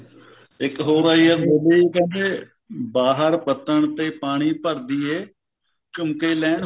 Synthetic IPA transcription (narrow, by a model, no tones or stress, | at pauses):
ɪkɦoːɾaːiabeːliːkɛdeː | baːɦəɾpət̪ːəɳt̪eːpaːɽ̃iːpəɾd̪iːeː | t͡ʃʊmkeːlɛːn